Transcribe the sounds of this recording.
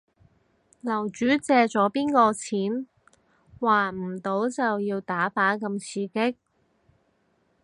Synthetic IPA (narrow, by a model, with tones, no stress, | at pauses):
lɐ˨˩wt͡ʃyː˨˥t͡sɛː˧t͡sɔː˨˥piː˥nkɔː˧t͡sʰiː˨˥n | waː˨m̩˨˩t̪o˨˥wt͡sɐ˨wjiː˧wt̪aː˨˥paː˨˥kɐ˧mt͡sʰiː˧kɪ˥k̚